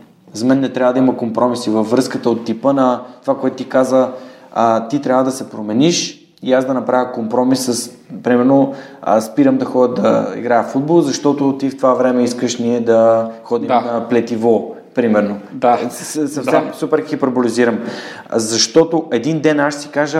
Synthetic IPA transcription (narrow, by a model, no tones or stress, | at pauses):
zɐmɛnːɛt̪ɾʲavəd̪ɐimɐkompɾɔmisivəfːɾɤskət̪əot̪ːipənɐt̪ovakoɛt̪ʊt̪ikazə | t̪it̪ɾʲavəd̪ɐsɛpɾomɛniʃ | iazd̪ɐnɐpɾavʲjəkompɾɔmisːəs | pɾimɛɾnoə̰spiɾəmd̪ɐxɔd̪ʲəd̪ɐ̰ḭɡɾajəfud̪̚bolˠzɐʃt̪ɔt̪ot̪ift̪ovavɾɛmɛiskəʃniɛd̪ɐxɔd̪imnɐplɛt̪ivɔ | pɾimɛɾnod̪ssɐfsɛmsupɛɾxipɾoboliziɾəm | zɐʃt̪ɔt̪oʔɛd̪ind̪ɛnaʃsi̥kaʒə